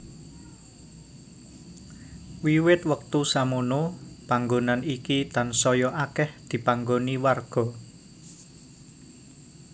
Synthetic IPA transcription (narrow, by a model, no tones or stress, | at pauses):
wiwɪt̪wək̚t̪usamonopaŋɡonanikit̪ansɔjɔʔakɛhd̪̥i̤paŋɡoniwarɡ̥ɔ̤